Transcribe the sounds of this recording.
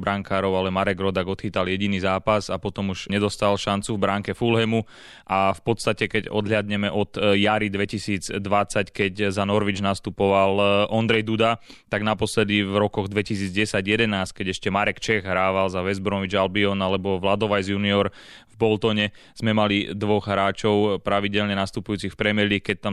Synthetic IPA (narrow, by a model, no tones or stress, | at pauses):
bɾaŋkaːɾɔʊalɛmaɾɛɡɾɔd̪aɡɔt̪xiːt̪aljɛɟiniːzaːpazapɔt̪ɔmuʒ̥ɲɛd̪ɔst̪alʃant͡suvbɾaŋkɛfulɦɛmu | ʔafpɔt̪st̪acɛkɛɟɔ̰d̪ɦʎɪad̪ɲɛmɛʔɔd̪̥jaɾid̪ʋɛcisiːd͡zd̪ʋat͡sackɛɟzanɔɾʋid͡ʒnast̪upɔʋalʔɔnd̪ɾɛjd̪ud̪at̪aɡnapɔslɛd̪ivɾɔkɔɣd̪ʋɛcisiːd͡zɟɛsaɟjɛd̪ɛnaːsc̚kɛɟɛʃcɛmaɾɛkt͡ʃɛɣɦɾaːʋalzaʋɛzbɾɔʋid͡ʒalbiɔnalɛbɔʋlad̪ɔʋajzjuniɔɾ | vbɔlt̪ɔɲɛ | z̥mɛmalid̪ʋɔɣɦɾaːt͡ʃɔʊpɾaʋiɟɛlɲɛnast̪upujuːt͡sixfpɾɛmɪɛlikɛc̚t̪am